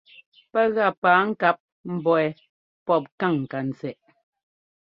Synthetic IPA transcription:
pɛ˦ɣa˦˨paː˨˦ŋ̩˦ka˦p̚ | m̩˨bɔ˨ɛ˨ | pɔ˦˨p̚ka˦˨ŋ̩ː˨ka˨n˨t͡sɛ˨ʔ

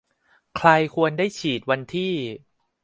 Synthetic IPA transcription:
kʰɾa˧jkʰu˧əndaː˥˩jt͡ɕʰiː˨˩t̪̚wa˧nt̪ʰiː˥˩

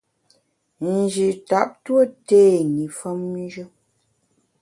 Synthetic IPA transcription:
n̩˨d͡ʒi˨ta˨˦p̚twə˦te˦˨ni˨fə˦m˦d͡ʒə˦

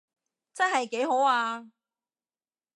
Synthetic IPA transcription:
t͡sɐ˥nɦɐ˨jke˨˥jɦo˨˥waː˧

